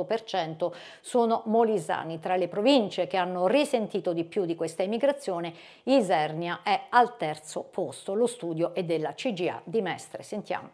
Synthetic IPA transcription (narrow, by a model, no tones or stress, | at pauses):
opert͡ʃɛnt̪o | soːnomoliza̰ːnit̪ɾalepɾovint͡ʃek̟eanːorisent̪iːt̪od̪ipːjud̪ːikwest̪aimiɡɾat̪sːjoːne | izɛrnjaʔɛalt̪ɛrt̪sopost̪olost̪uːd̪joʔed̪ːelːat͡ʃid͡ʒia̰d̪imɛst̪ɾesent̪ja̰ːmo